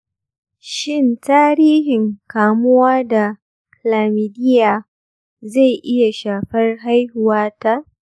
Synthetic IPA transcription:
ʃɪ˦˨ntaː˦ɾiː˦ɦɪ˨ŋkaː˨mʊ˦waː˦da˨ | klaː˨miː˨dɪ˦jaː˨ | za˦˨jʔɪ˦ja˨ʃaː˨ɸɐ˦rɦa˦jhʊ˨waː˦ta˦ʔ

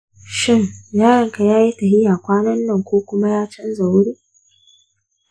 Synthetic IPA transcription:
ʃɪ˦ŋjaː˦ɽɐ˨ŋka˨jaː˦ji˦tɐ˨hɪ˦jaː˨kʷaː˦nɐ˦nːɐ˦˨ŋkʷoː˦kʷʊ˦ma˦jaː˦t͡ʃɐ˦nza˨wɽiː˦

